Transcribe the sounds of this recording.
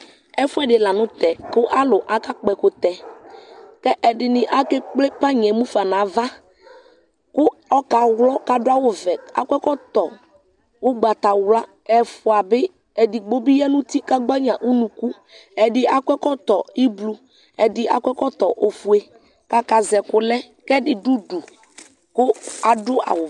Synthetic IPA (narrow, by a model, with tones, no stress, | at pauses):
ɛ˦fʊ˦ɛ˦dɪ˨la˨nʊ̃˦t̪ɛ˨kʊ˦ʔa˦lʊ˨ʔa˦ka˦k͡pɛ˨kʊ˨t̪ɛ˨ | kɛ˦ʔɛ˨dɪ˨nɪ̃˨ʔa˦kɛ˦k͡plɪ˦pa˦ɲɛ˨mũ˦fa˨nã˨˦va˦ | kʊ˦ɔ˦ka˨wlɔ˦ka˨dʊ˦a˦wʊ˨vɛ˨a̰˨kʷɛ˦kɔ˦t̪ɔ˨ | wʊ˦ɡ͡ba˨t̪a˨wla˦ | ɛ˨fʊ˨a˨bɪ˦ | ɛ˨dɪ˨ɡ͡bo˦bi˦jɛ˦nʊ̃˦t̪i˦ka˦ɡ͡ba˦ɲã˨ʔu˦nũ˨ku˦ | ɛ˨dɪ˨a˨kʷɛ˦kɔ˦t̪ɔ˨i˦blu˨ | ɛ˨dɪ˨ʔa̰˨kʷɛ˦kɔ˦t̪ɔ˨ʔo˨fu˨e˨ | ka˦ka˨zɛ˨kʊ˨lɛ˦ | kɛ˦dɪ˨du˦du˨ | kʊ˦a˨dʊ˦a̰˨wʊ˨